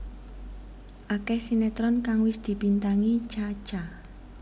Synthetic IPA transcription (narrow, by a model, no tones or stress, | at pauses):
ʔakɛhsinɛt̪ɾɔnkaŋwɪsd̪̥i̤pint̪aŋit͡ʃḁt͡ʃa